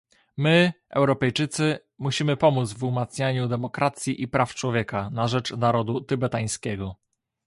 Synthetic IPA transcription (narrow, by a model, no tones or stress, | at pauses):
mɘʔɛ̰wɾɔpɛjt͡ʂɘt̪sɘ | muɕimɘpɔmud̪zvumat̪sɲaɲud̪ɛmɔkɾʔat̪sʲjiʔipɾaft͡ʂwɔvʲjɛkanaʐɛt͡ʂnaɾɔd̪ut̪ɘbɛt̪aj̃skʲɛɡɔ